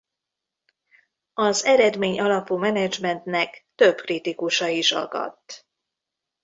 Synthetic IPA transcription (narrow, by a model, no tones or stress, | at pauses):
ɒzɛɾɛd̪meːɲɒlɒpumɛnɛd͡ʒmɛnt̪nɛkt̪ø̞bkrit̪ikuʃɒiʃɒ̰ɡɒ̰t̪ː